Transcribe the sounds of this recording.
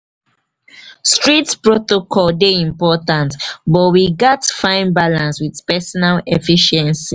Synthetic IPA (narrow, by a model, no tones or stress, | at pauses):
stɹitpɹotokʰɔldeĩmpɔtãntbɔtwiɡɔtfãɪ̃nbalãnswiðpɛsɔnalɛfiʃɛ̃nsi